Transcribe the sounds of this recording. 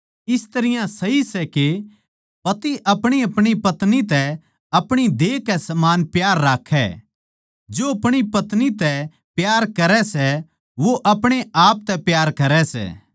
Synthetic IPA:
ɪst̪ɐɾɪjãsɐɦisɛke | pɐt̪iʔɐpɽ̃iɐpɽ̃ipɐt̪nit̪ɛ | ɐpɽ̃id̪eːkɛsɐmaːnpjaːɾːaːkʰɛ̰ | d͡ʒoɐpɽ̃ipɐt̪nit̪ɛ | pjaːɾkɐɾɛsɛ | ʋoʔɐpɽ̃eaːp̚t̪ɛpjaːɾkɐɾɛsɛ̰ː

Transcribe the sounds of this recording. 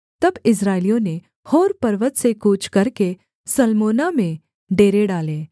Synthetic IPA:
t̪ɐbɪs̬ɾaːɪlijõne | hoːɾpɐɾʋət̪sekuːt͡ʃʰkɐɾke | sɐlmoːnamẽ | ɖeːɾeɖaːleː

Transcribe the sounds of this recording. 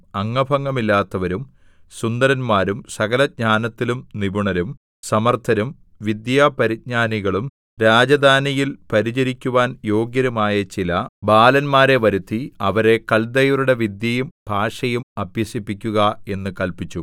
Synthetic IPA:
ɐŋːɐbʱɐŋːɐmilːaːt̪ːɐʋɐɾum | sund̪ɐɾɐnmaːɾumsɐɣɐlɐd̚ɲaːnɐt̪ːilumnibuɳɐɾum | sɐmɐrt̪ʰɐɾum | ʋid̪jaːpɐɾit̪̚ɲaːniɣɐɭum | ɾaːd͡ʑɐd̪ʱaːnijilpɐɾit͡ɕɐɾikʲːuʋaːnjo̞ːɡjɐɾumaːjɐt͡ɕilɐbaːlɐnmaːɾe̞ʋɐɾut̪ːiɐʋɐɾe̞kɐld̪ɐjuɾuɽe̞ʋid̪jɐjumbʱaːʂɐjumɐbjɐsipːikʲːuɣɐe̞nːɨkɐlpit͡ɕːu

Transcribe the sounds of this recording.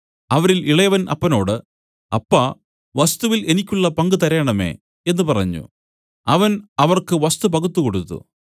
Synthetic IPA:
ɐʋɐɾiliɭɐjɐʋɐnʔɐ̰pːɐno̞ːɽɨ | ɐpːɐ | ʋɐst̪uʋile̞nikʲːuɭːɐpɐŋɡɨt̪ɐɾeːɳɐme̞̰ | e̞nːɨpɐrɐɲːṵ | ɐʋɐnɐʋɐrkɨʋɐst̪up̬ɐɣut̪ːuko̞ɽut̪ːṵ

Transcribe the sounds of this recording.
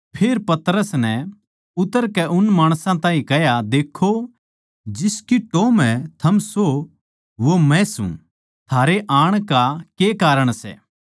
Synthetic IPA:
pʰeːɾpɐt̪ɾəsnɛ | ʊt̪ːəɾkɛʔʊnmaːɽ̃sãt̪ãːĩkɛjad̪eːkʰːo | d͡ʒɪskiʈoːmɛ̃t̪ʰɐmso | ʋomɛ̃sṵ̃ | t̪ʰaːɾeʔaːɽ̃kakeːkaːɾəɽ̃sɛ̰ː

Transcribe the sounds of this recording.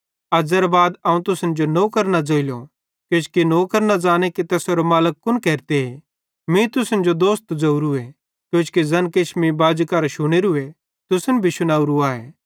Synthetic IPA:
ɐd͡ʒɐɾabaːd̪ɐũt̪ʊsənd͡ʒonoːkɐɾnad͡ʒoːɪlo | kjoːt͡ʃkinoːkɐɾnad͡ʒaːñekit̪ɛːsoːɾɐmaːləkːʊnkɛːɾt̪eɦe | mĩt̪ʊsənd͡ʒod̪oːst̪d͡zɐuɾue | kjoːt͡ʃkizɐnkɪʃmibaːd͡ʒkaɾaʃʊɽ̃eɾʊe | t̪ʊsənbʱiʃʊnaːuɾuaːḛː

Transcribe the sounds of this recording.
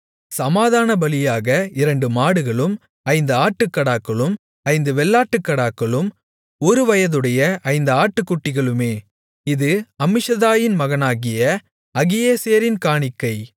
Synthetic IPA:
sɐmaːðaːnɐbɐlɪjaːɣɐɪɾɐɳɖɯmaːɽɯɣɐɭɯm | ɐɪnd̪ɐaːʈːɯkːɐɽaːkːɐɭɯm | ɐɪnd̪ɯʋɛɭːaːʈːɯkːɐɽaːkːɐɭɯm | ɔɾɯʋɐjɐðɯɽɐjɐʔɐɪnd̪ɐaːʈːɯkːʊʈːɪɣɐɭɯmeː | ɪðɯɐmɪʂɐðaːjɪnmɐɣɐnaːɣɪjɐ | ɐɣɪjeːseːɐɾɪnkaːɳɪkːɐɪ

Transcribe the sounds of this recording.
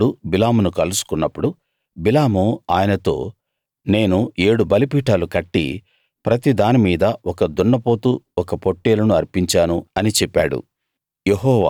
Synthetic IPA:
ɽubilaːmunukɐlusu̥kunːɐpːuɽu | bilaːmuaːjɐnɐt̪o̞ː | ne̞ːnue̞ːɽubɐlipiːʈaːlukɐʈːḭ | pɾɐt̪id̪aːnimiːd̪ɐɔkɐd̪uɳːɐpo̞ːt̪uɔkɐpo̞ʈːeːlɐnuɐɾpiɲt͡ʃaːnuɐnit͡ʃɛpːa̰ːɽṵ | jeɦɔːʋa̰ː

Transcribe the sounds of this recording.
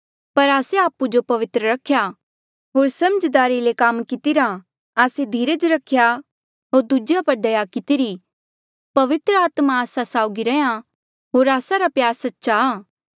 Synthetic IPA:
pɐɾaːseaːpud͡ʒopɐʋɪt̪ɾəɾɐkʰːja | ɦoːɾsɐməd͡ʒd̪aːɾilekɐmkɪt̪iɾa | aːsed̪ʱiːɾəd͡ʒɾɐkʰːja | ɦoːɾd̪ud͡ʒjapɐɾd̪ɐjakɪt̪iɾi | pɐʋɪt̪ɾəaːt̪maaːsasaːʊɡiɾɛja | ɦoːɾaːsaɾapjaːɾsɐtːʃaː

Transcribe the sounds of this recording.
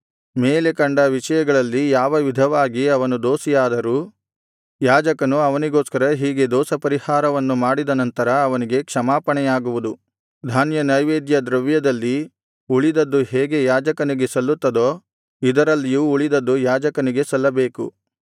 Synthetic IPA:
meːlekɐɳɖɐʋiʂɐjɐɡɐɭɐlːijaːʋɐʋid̪ʱɐʋaːɡiɐʋɐnud̪oːsijaːd̪ɐɾuː | jaːd͡ʒɐkɐnuɐʋɐniɡo̞ːskɐɾɐɦiːɡe̞d̪ɔːsɐpɐɾihaːɾɐʋɐnːumaːɽid̪ɐnɐnt̪ɐɾɐːʋɐniɡe̞kʂɐmaːpɐɳɛjaːɡuʋud̪u | d̪ʱaːnjɐnɐjʋeːd̪jɐd̪ɾɐʋjɐd̪ɐlːi | uɭid̪ɐd̪ːuɦeːɡe̞jaːd͡ʒɐkɐniɡe̞sɐlːut̪ːɐd̪oː | id̪ɐɾɐlːijuːɭid̪ɐd̪ːujaːd͡ʒɐkɐniɡe̞sɐlːɐbe̞ːkṵ

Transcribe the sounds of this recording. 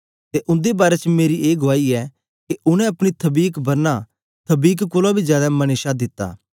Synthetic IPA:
t̪eʔʊ̃nd̪ebaːɾɛt͡ʃmeːɾiʔeːɡʊʋaːiɛ | keʔʊñɛ̃ɐpɽ̃it̪ʰɐbiːkbɐɾna | t̪ʰɐbiːkkʊlabʱizjaːd̪amɐñeːʃad̪ɪt̪ːa̰ː

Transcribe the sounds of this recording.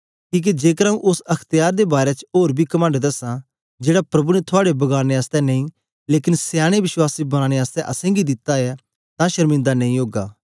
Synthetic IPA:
kiːk̬ed͡ʒeːkəɾaːũʔʊsɐkʰt̪ɪjaːɾd̪ebaːɾet͡ʃoːɾbʱikɐmə̃ɳɖd̪ɐsã | d͡ʒeːɽapɾɐbunɛt̪ʰʊaːɽebɐɡaːneaːst̪ɛnɐĩ | leːkɪnsjaːɽ̃eʋɪswaːsibɐñaːɽ̃eaːst̪ɛ̃ʔɐsɛ̃ɡid̪ɪt̪ːaɛ | t̪ãʃɐɾmɪ̃nd̪anɐ̃ĩɦoːɡa̰ː

